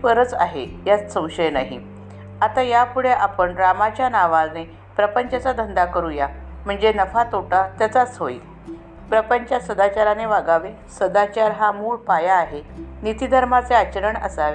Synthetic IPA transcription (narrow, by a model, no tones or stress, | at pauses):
pəɾət͡sa̰ɦḛjat͡ssə̃w̃ɕəjnaɦḭ | at̪ajapuɽeʔapəɳɾamat͡ɕjanaʋad͡zne | pɾəpəɲt͡ɕat͡sad̪ʱənd̪akəɾujam̤əɳd͡zenəfat̪oʈat̪jat͡sat͡sɦoi | pɾəpəɲt͡ɕasəd̪at͡ɕaɾaneʋaɡaʋe | səd̪at͡ɕaɾɦamuːɭpajaːɦenit̪id̪ʱəɾmat͡seat͡ɕəɾəɳə̰saʋe